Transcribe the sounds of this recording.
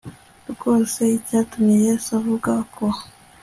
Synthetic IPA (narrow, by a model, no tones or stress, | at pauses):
ɾɡo̞ːse̞icaːtumiejesuavuɡakʰo